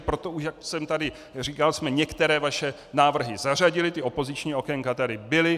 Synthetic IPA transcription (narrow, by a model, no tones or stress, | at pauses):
pɾo̞t̪o̞uʃjaksɛmt̪adɪ | riːkalsmɛɲɛkt̪ɛɾɛːvaʃɛ | naːvr̩ɦɪzar̝aɟɪlɪt̪ɪo̞po̞zɪt͡ʃɲiːo̞kɛŋkat̪adɪbɪlɪ